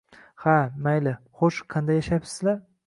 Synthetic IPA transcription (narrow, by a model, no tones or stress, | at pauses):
hamajlɪ | χoʃqʰɑnd̪ajːaʃajpsɪ̥zlaɾ